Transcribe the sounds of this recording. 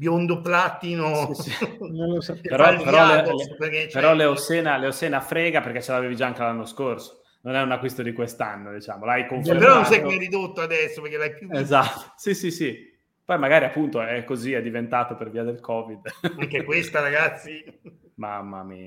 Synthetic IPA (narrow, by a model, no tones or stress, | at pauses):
bjond̪oplat̪ino | noospeɾɔeɾɔeperket͡ʃpeɾɔleosɛːnaleosɛːnafɾɛːɡaperk̟et͡ʃːelaveːvid͡ʒaaŋk̟elanːoskorso̥ | nonɛunakːwist̪od̪ikwest̪a̰nːod̪it͡ʃaːmolajkoɱfepeɾɔnõns̬ajkmɛrɾid̪ot̪ːoad̪ɛsːoperkelajpuezat̪ːo̥sisisi | pɔjmaɡaːɾiapːunt̪oɛkːoziɛd̪ːivent̪aːt̪operviːad̪elkʰɔːvid̪aŋkɛkwest̪aɾaɡat̪sːi | ma̰mːa̰mḭːa